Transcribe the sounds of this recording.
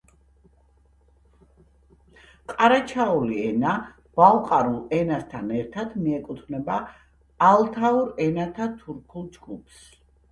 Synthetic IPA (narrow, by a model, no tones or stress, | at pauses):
qʼaɾat͡ʃʰauliɛna | b̥alqʼaɾulˠɛnast̪ʰanɛɾt̪ʰad̪miɛkʼut̪ʰvnɛbaː | lˠt̪ʰauɾɛnat̪ʰat̪ʰuɾkʰulˠd͡ʒɡupʰs